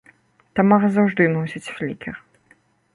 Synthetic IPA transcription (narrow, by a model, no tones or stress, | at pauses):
t̪amɔɣɐzawʐd̪ɨnɔsʲit͡sʲfʲlʲikʲɛr